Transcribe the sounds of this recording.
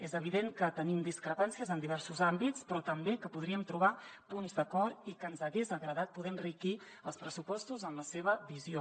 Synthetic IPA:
ezəβ̞iðeŋkət̪ənimd̪iskɾəpansiəzənd̪iβɛɾsuzambit͡spɾɔt̪əmbekəpuðɾiəmt̪ɾuβ̞apunzd̪əkɔɾikənzəɣezəɣɾəðat̪̚puðɛnriki | əlˠspɾəsupɔst̪uzənləseβəβizio

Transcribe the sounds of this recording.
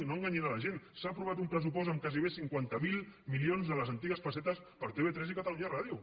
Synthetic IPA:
noaŋɡaɲenaləʒensaːpɾuβ̞at̪umpɾəs̬upɔsəmkaziβ̞esiŋkwant̪əmilˠmilionzðələzənt̪iɣəsfəs̬ɛt̪əs | pəɾt̪eet̪ɾɛsikət̪əluɲaraðju

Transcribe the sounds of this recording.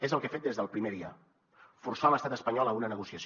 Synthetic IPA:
ezəlˠkefet̪̚d̪ezðəlˠpɾimeɾiə̰ | fuɾsaləst̪at̪əspəɲɔləunənəɣusiəs

